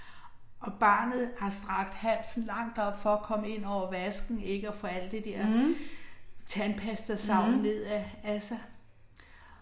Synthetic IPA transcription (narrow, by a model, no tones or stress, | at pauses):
ʔɒ̽b̥ɑ̰̈ːnð̩ˠhɑ̈sd̥ʁɑ̈ɡ̥d̥hæn̰sn̩lɑ̈ŋ̰d̥ɒ̽b̥fɒ̽ːkʰɒ̽məe̝n̰ɒʊ̰ɐʋæsɡ̥n̩e̝ɡ̥əɒfoæl̰d̥d̥ed̥eɐ̰ | t͡sʰænpʰæsd̥ɐsɑ̈ʊ̰nne̝ð̰ˠææsæ